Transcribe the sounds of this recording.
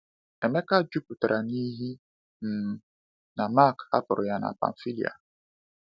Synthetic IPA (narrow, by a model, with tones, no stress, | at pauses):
e˨me˦ka˦d͡ʒu˦pu˨ta˨ɾʔa˨ni˦ɦi˦ | n̩˨˦ | na˨ma˦˨ka̰˦pʊ˨ɾʊ˨ja˦na̰˨pa̰˨n̩˨fi˦lḭ˨a̰˨